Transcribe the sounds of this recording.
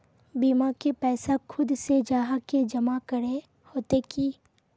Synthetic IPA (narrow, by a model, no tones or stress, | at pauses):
biːmakepɛːsakʰʊd̪sed͡ʒaːɦaked͡ʒɐmakəɾe | hoːt̪ekiː